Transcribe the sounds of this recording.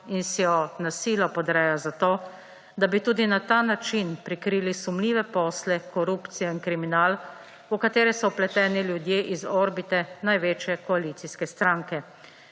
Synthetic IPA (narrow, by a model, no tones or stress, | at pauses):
insjɔnasiːlɔpɔd̪ɾɛjazat̪oː | d̪abit̪uːd̪inat̪aːnat͡ʃinpɾikɾiːlisumliːʋɛpɔːslɛkɔɾuːpt̪sijɔinkɾiminaːl | ukat̪eːɾɛsɔplɛt̪ɛːniljud̪jeːʔizɔɾbit̪ɛnajʋeːt͡ʃjɛkɔaliːt̪siskɛst̪ɾaːŋkɛ